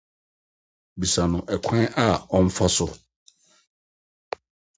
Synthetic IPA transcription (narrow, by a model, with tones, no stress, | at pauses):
bi˨sa˨nʊ̃˨ʔɛ˨kʷʰɛ̃˦ʔa˦ɔ˦m̩˦fa˦sʊ˦